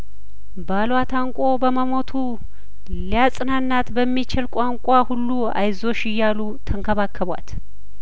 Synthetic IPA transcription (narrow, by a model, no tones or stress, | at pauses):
balwat̪ʰaŋkʷʼo̞bəməmo̞t̪ʰu | lijasʼɨnanːat̪bəmːit͡ʃɪlkʷʼaŋkʷʼahulːu | a̰jzo̞ʃɪjːalut̪ʰəŋkʰəβakʰːəβwa̰t̪